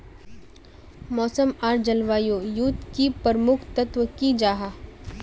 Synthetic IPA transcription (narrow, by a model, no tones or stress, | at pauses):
mɔːsəmaːɾd͡ʒəlʋaːjojut̪kipɐɾmʊkʰt̪ɐt̪ʋəkid͡ʒaːɦaː